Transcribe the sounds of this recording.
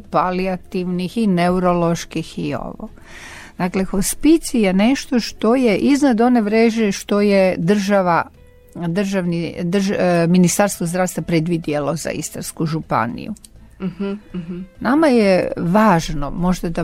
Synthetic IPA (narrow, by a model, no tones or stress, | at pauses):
paliat̪iʋnixineuɾo̞lo̞ʃkixio̞̰ʋo̰ | d̪̥akle̞xospit̪sijene̞ʃt̪o̞ʃt̪o̞jeʔiznad̪o̞ne̞ʋɾeːʒeʃt̪o̞jed̪r̩ʒaʋa | d̪r̩ʒaʋnid̪r̩ʒminist̪aɾst̪ʋozd̪ɾaːʋst̪ʋapɾed̪ʋid̪jelo̞za̰ḭst̪anskuʒupa̰nḭjṵ | namajeʋaːʒno̞̰mo̞ʒd̪ad̪a